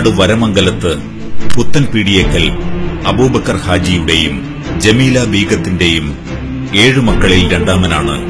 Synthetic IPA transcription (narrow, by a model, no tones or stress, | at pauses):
ɽɨʋɐɾɐmɐŋɡɐlɐt̪ːɨ | put̪ːɐnpiɽijekːɐlɐbuːbɐkːɐrhaːd͡ʑijuɽe̞jum | d͡ʑemiːlɐbiːɡɐt̪ːinde̞jum | e̞ːɻɨmɐkːɐɭilɾe̞ɳɖaːmɐnaːɳɨ̰